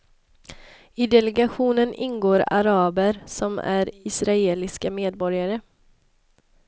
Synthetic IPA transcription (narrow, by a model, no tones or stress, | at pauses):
ɪd̪ɛlɛɡaɧuːnənʔɪ̰nɡoːɾa̰ɾɑːbəɾsɔmæ̰ɾɪsɾaeːlɪskameːd̪̚bɔɾjaɾə